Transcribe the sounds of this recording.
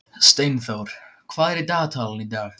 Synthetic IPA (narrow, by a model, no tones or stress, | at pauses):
st̪ejnθawɾ̥kʰvaːðɛɾɛt̪aːt̪ʰaːlanid̪aːx